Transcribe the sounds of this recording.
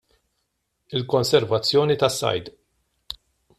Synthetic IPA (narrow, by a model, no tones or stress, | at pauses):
ɪlkɔnsɛɾvɐt͡sːjɔːnit̪ɐsːɐ̰jd̪